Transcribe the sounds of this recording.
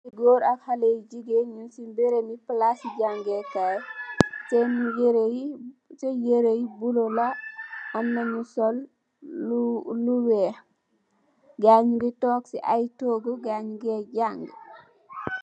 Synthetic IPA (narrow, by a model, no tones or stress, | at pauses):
siɡoɾakhaleɟiɡeɲunsimbeɾeniplasiɟaŋɡekajtɛmjɾ | t͡ʃejeɾejibulolaɔnːaɲusɔl | uluwɛ | ɡaɲuɡitɔksiʔajtoɡuɡaɲuɡeɟaŋɡ